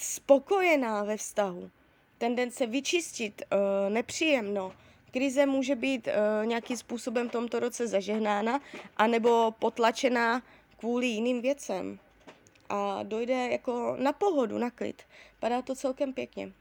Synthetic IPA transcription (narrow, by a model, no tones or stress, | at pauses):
spo̞ko̞jɛnaːvɛfst̪aɦu | t̪ɛndɛnt͡sɛvɪt͡ʃɪscɪt̪nɛpr̝̥iːjɛmno | kɾɪzɛmuːʒɛbiːt̪ɲɛakimspuːso̞bɛmft̪o̞mt̪o̞ɾo̞t͡sɛzaʒɛɦnaːnaʔanɛbo̞po̞t̪lat͡ʃɛna | kvuːlɪjɪniːmvjɛt͡sɛm | ʔado̞jdɛjako̞napo̞ɦo̞dṵnaklɪ̰t̪padaːt̪o̞t͡sɛlkɛmpjɛkɲɛ̰